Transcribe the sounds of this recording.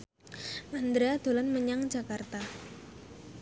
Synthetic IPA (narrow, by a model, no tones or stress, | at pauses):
mand̪ɾead̪̥o̤lanməɲaŋd͡ʒa̤kart̪a